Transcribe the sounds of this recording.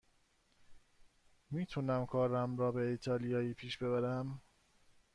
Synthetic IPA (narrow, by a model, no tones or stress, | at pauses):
miːt̪ʰunæmkʰɒːɾæmɾɒːbe̞iːt̪ʰɒːlijɒːiːpʰiːʃb̥e̞βæɾæm